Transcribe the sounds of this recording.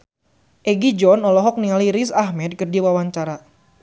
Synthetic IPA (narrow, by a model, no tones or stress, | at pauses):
ʔɛɡid͡ʒɔnɔlɔɦɔk̚nialiɾisahmɛd̪̚kərdiwawaɲt͡ʃaɾa